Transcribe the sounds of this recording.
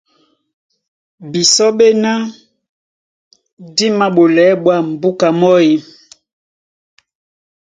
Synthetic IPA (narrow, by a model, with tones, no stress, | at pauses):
bi˨sɔ˦ɓe˦na˦ | di˦ma˦ɓo˨lɛ˨˦ɓwa˦˨m˨bu˦ka˨mɔ˦ji˨